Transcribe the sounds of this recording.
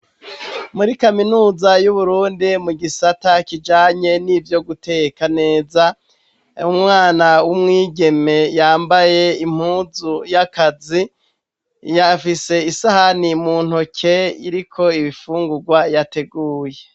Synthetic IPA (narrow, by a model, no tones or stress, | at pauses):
muɾikaminuːzajuβuɾuːndimuɡisatakid͡ʒaːɲe̞nivjo̞ɡute̞kane̞ːza | umŋaːnawumŋiːɡe̞me̞jaːmbaje̞im̥huːzujakazi | jafise̞isahanimuːn̥hokʰeḭɾikʰo̞iβifuːŋɡuɡwajate̞ɡuːje